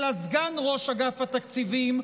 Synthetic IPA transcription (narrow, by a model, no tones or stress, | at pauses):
lazɡanʁo̞ʃaɡafat̪akt͡sivim